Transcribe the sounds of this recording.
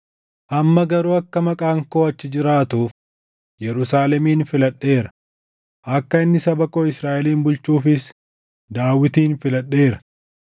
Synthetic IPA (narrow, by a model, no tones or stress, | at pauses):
ʔɐmːɐɡɐɾuːɐkːɐmɐkʼaːŋko̞ːɐt͡ʃːɪd͡ʒɪɾaːt̪uːf | jɛɾʊsaːlɛmiːnfɪlɐɗːe̞ːɾɐ̥ | ʔɐkːɐɪnːɪsɐbɐkoːɪsɾaːʔɛliːnbʊlt͡ʃuːfɪs | d̪aːwːɪt̪iːnfɪlɐɗːe̞ːɾɐ̥